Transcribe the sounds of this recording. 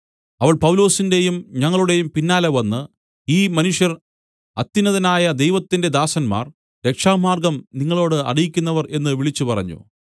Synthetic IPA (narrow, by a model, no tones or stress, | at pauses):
ɐʋɐɭpɐwlo̞ːsinde̞jumɲɐŋːɐɭuɽe̞jumpinːaːlɐʋɐnːɨ | iːmɐnuʂjɐr | ɐt̪ːinɐðɐnaːjɐd̪e̞jʋɐt̪ːinde̞d̪aːsɐnma̰ːr | ɾe̞kʂaːmaːrɡɐmniŋːɐɭo̞ːɽɨɐ̰ɽijikʲːunːɐʋɐre̞nːɨʋiɭit͡ɕːupɐrɐ̰ɲːṵ